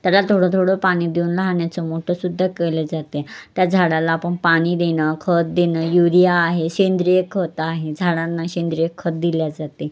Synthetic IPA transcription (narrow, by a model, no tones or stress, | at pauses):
t̪jalat̪ʰoɽət̪ʰoɽəpaɽ̃iːd̪euːnlaɦɳjat͡səmoʈʰəsud̪ʱːakeled͡zat̪et̪jad͡zʱaɽalaːpəɳpaɽ̃iːd̪enakʰət̪̚d̪enəjuɾijaːɦeɕend̪ɾiekʰːət̪aɦed͡zʱaɽanːaɕend̪ɾijekʰːət̪̚d̪iljad͡zat̪e